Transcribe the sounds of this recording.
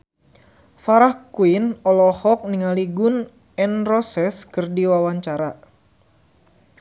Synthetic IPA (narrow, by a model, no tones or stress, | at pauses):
faɾahkuinɔlɔhɔk̚niŋaliɡʊn | ɛnrɔsɛskɨrdiwawaɲt͡ʃaɾa